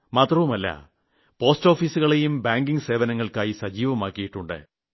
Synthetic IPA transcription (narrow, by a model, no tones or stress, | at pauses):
maːt̪rɐʋumɐlːɐ̰ | po̞ːsto̞ːfiːsuɣɐɭe̞jumbaːŋɡiŋɡɨse̞ːʋɐnɐŋːɐɭkaːjisɐd͡ʑiːʋɐmaːkːijiʈːuɳɖɨ̰